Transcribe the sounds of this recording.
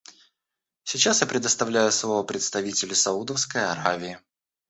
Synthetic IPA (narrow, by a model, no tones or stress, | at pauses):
sʲɪt͡ɕasjapɾʲɪd̪əst̪ɐvlʲæjʊslˠovəpɾʲɪt̪st̪ɐvʲitʲɪlʲɪsɐud̪əfskəjɐɾavʲɪɪ